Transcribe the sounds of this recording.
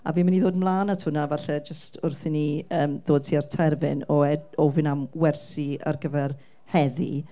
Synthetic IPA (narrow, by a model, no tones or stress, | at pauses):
a̰viːmaniðoːdmlˠaːnatʰʊnavaɬɛd͡ʒəstʰʊrθɪniəːmðoːd̚tʰiːartʰɛrvɪnɔɛdɔvɪnamwɛrsia̰rɡəvɛr | hɛðḭ